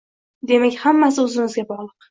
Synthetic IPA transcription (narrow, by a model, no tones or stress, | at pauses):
d̪e̞makʲhamːas̬ɪɵzɪŋɪzɡʲabɒʁlˠɨq